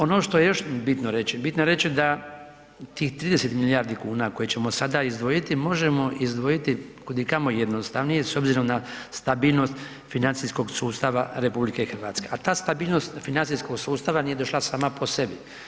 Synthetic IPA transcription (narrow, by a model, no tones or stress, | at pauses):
o̞no̞ʃt̪oje̞jo̞ʃbit̪noɾe̞t͡ʃibit̪nojeɾe̞t͡ɕid̪a | t̪iːxt̪ɾiːd̪e̞set̪milijaɾd̪ikuːnako̞jet͡ɕemo̞sad̪aizd̪ʋo̞jit̪imo̞ʒemo̞ʔizd̪ʋo̞jit̪ikud̪ikamo̞jed̪nost̪aʋnijeso̞bziɾo̞mnast̪abiːlno̞st̪ | finant̪sisko̞ɡsuːst̪aʋaɾe̞publike̞ixɾ̩ʋaːt̪ske̞ʔat̪aːst̪abiːlno̞st̪finantsisko̞ɡsuːst̪aʋanije̞d̪o̞ʃlˠasaːmapʰo̞se̞bi